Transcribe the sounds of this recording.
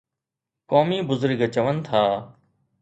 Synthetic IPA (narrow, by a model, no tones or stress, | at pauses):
koːmiːbʊzʊɾɡt͡ʃəʋənt̪ʰaː